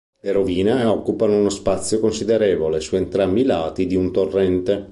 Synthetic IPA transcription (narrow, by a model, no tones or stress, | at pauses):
eɾoviːneɔkːupanounospat̪sːjokonsid̪eɾeːvolesuent̪ɾambilaːt̪id̪iunt̪orːɛnt̪e